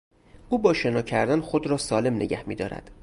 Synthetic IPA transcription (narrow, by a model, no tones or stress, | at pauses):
uːbɒːʃe̞nɒːcʰæɾd̪ænxod̪ɾɒːsɒːle̞mnḛɟæhmḭːd̪ɒ̰ːɾæ̰d̪̥